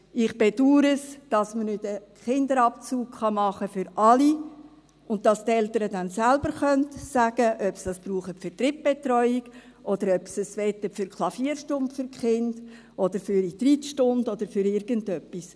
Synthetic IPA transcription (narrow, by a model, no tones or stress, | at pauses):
ɪχb̥ed̥uːɾəsd̥ɑsmənʏdəχɪnd̪əɾɑp̚t͡suːkχɑmɑχəfʏɾʔɑli | ʊntdɑstɛltəɾədænsælbəɾχœntsæɡ̥əʔœpsd̥ɑsb̥ɾuːχəfʏɾtɾip̚b̥etɾɔʏiɡ̥ | ʔɔdəɾœpsəsʋɛt̪əfʏɾkχlˠɑfiəɾʃtʊmpfʏɾkχɪnd̥ | ʔɔd̥əɾfʏɾid̥̪ɾitʃtʊndɔd̥əɾfʏɾɪɾɡ̥əntœpːis